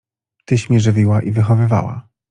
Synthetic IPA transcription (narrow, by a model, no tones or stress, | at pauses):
t̪ɘɕmʲjɛʐɘvʲiwaʔivɘxɔvɘva̰wa̰